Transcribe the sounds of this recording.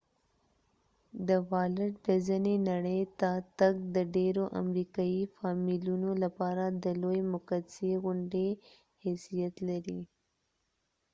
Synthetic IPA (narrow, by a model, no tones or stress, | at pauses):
d̪əwɑləʈd̪əzənenaɽəjt̪at̪aɡ̚d̪əɖeɾoʔa̰mɾikɑifɑmilunolapɑɾad̪əlojmʊkaseɣʊɳɖe | hesijat̪laɾi